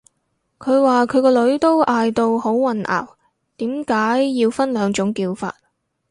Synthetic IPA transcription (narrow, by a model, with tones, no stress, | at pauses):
kʰɵ˨˧ɥwaː˨kʰɵ˨˧ɥkɔː˧lɵ˨˥ɥt̪o˥wʔaː˨jt̪o˧who˨˥wwɐ˨nʔa̰ː˨˩w | t̪iː˨˥mkaː˨˥jːiː˧wfɐ˥nlœː˨˧ŋt͡ʃʊ˨˥ŋkiː˧wfa̰ː˧t̚